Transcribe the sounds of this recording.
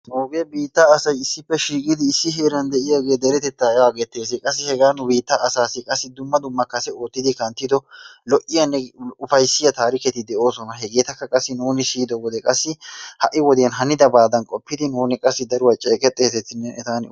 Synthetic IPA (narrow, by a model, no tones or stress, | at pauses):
noːɡeːbiːt̪ːaːsɐjɪsːɪpːɛʃiːkʼɪd̪ɪːsːɪɦeːɾɐnd̪ɛʔɪjaːɡe̞ːd̪ɛɾɛt̪ɛt̪ːaaːɡɛt̪ːe̞ːs̬ɛkʼɐsːɪhɛɡaːnʊbiːt̪ːɐʔːsaːsɪkʼɐsːɪd̪ʊmːɐd̪ʊmːɐkːɐsɛo̞ːt̪ːɪd̪ɪkɐnt̪ːɪd̪ɔlɔʔɪjɐnːɛʊfɐjsɪjɐt̪aːɾɪkɛt̪ːɪd̪ɛʔo̞ːsɔnɐɦɛɡe̞ːt̪ɐkːɐkʼɐsːɪnuːnɪsiːd̪ɔwɔd̪ɛkʼɐsːɪhɐʔɪwɔd̪ɪjɐnɦɐnɪd̪ɐbaːd̪ɐnkʼɔpːɪd̪ɪnuːnɪkʼɐsːɪd̪ɐɾʊwɐt͡ʃʼːeːkʼɛt̪ʼːe̞ːsɛt̪ːɪnːɛnɛt̪aːn